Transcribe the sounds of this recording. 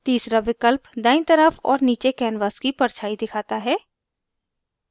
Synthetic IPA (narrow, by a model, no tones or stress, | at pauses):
t̪iːsɾaʋɪkəlpd̪aːɪnt̪əɾəfɔ̰ːɾniːt͡ʃekɛːnʋaːskipɐɾt͡ʃʰaːid̪ɪkʰaːt̪aɦɛː